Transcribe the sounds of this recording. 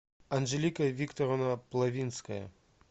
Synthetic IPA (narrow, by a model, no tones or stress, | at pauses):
ɐnʐelʲikɐvʲikt̪oɾonɐplˠɐvʲinskɐjɐ̰